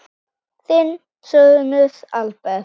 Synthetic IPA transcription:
θɪn | sœðnʏsalpɛ

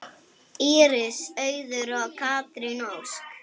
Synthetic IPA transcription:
iːɾɪsœːɥðʏɾawkʰaːt̪ɾinowsk

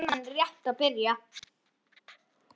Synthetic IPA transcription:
manrjɛht̪aðpɪɾja

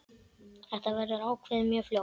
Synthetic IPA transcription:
θɛht̪avɛɾʏɾaːwkʰvɛðɪmjœɾfljo

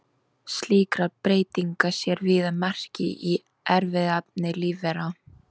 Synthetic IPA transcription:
sliːkɾapɾeːjt̪iŋkasjɛɾvɪðamɛr̥cɪ̰ʔi | ɛɾvɪðap̚nɪliːvɛɾa

